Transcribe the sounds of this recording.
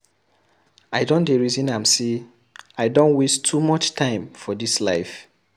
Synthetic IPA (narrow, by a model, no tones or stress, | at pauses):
aɪdõndeɹizĩnãɪmse | aɪdõnwistʰːumɔt͡ʃtʰãɪ̃mfɔdisla̰ɪf